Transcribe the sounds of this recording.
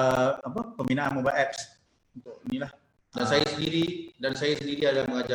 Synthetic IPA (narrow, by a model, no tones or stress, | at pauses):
apəpəmbinaʔa̰nmobaʔɛp̚s | unt̪ʊʔnilah | dansajasəndiɾidansajasəndiɾiadalaməŋad͡ʒa